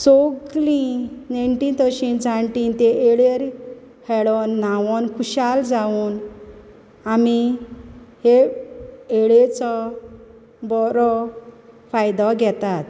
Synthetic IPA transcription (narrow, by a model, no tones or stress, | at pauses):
soɡlĩnajɳʈiːnt̪əɕind͡zʱãɳʈint̪eʔeɭeɾ | hɛɭɔnːaʋɔnkʰuɕald͡zaun | ami | he | eɭet͡sɔ | bɔɾɔ | fajd̪ɔɡʱɛt̪at̪